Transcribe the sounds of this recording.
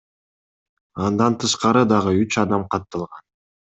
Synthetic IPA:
ɑnd̪ɑnt̪ʰɯʃqɑɾɯd̪ɑʁɯyt͡ʃɑd̪ɑmqʰɑt̪ːɑlˠʁɑn

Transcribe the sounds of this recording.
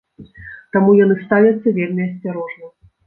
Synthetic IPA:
t̪amujanɨst̪avʲɐt̪sːɐvʲelʲmʲiɐsʲt͡sʲaɾɔʐnɐ

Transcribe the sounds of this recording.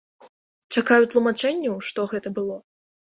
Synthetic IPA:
t͡ʂakajut̪lˠumat͡ʂɛnʲːɐwʂt̪ɔɣɛt̪ɐbɨlˠɔ

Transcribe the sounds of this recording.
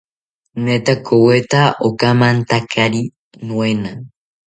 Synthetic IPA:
net̪akowet̪aʔokamãnt̪akʰaɾi | nw̃ena

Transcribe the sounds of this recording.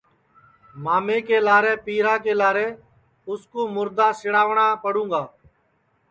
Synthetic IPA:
maːmeːkeːlaːɾeːpiːɾãːkeːlaːɾeː | ʊskuːmʊɾd̪ãːsɪɽaːʋɳãːpəɽũːŋɡaː

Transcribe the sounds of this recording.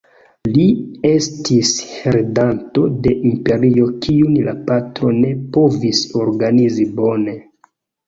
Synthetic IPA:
lie̞stʰisɾedanto̞de̞ʔimpe̞ɾio̞kʰiunla̰patɾo̞ne̞po̞viso̞ɾɡanizibo̞ne̞

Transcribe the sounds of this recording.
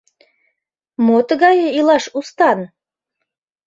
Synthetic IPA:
mot̪ɣɑjɤilɑʃust̪ɑn

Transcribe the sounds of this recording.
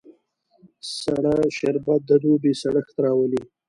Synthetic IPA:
saɽaʃeɾbad̪əd̪ubesaɽəxt̪aɾɑwəli

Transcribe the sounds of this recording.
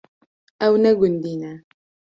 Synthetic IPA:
awnɛɡundina

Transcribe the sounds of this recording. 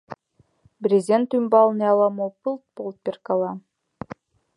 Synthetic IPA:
bɾʲezʲent̪ymbɑlˠneɑlˠɑmopɨlˠt̪̚polˠt̪̚pʲerkɑlˠɑ

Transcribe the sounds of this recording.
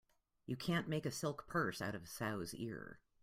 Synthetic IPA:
jɨkʰæ̃nmeɪkɨsɪlˠkpʰɜ˞saʊɾʌvsaʊzɪ̰ɹ

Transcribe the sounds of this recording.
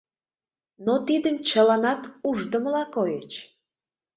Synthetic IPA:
not̪id̪əmt͡ɕəlɑnɑt̪uʒd̪əməlɑkojet͡ɕ

